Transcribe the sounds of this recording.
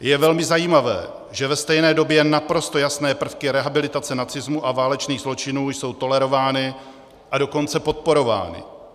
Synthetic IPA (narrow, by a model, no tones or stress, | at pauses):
jɛvɛlmɪzajiːmavɛ̰ː | ʒɛvɛst̪ɛjnɛːdo̞bjɛnapɾo̞st̪o̞jasnɛːpr̩fkɪɾɛɦabɪlɪt̪at͡sɛnat͡sɪzmuʔavaːlɛt͡ʃniːɣzlo̞t͡ʃɪnuːjso̞wt̪o̞lɛɾo̞vaːnɪ | ʔado̞ko̞nt͡sɛpo̞t̪̚po̞ɾo̞va̰ːnɪ̰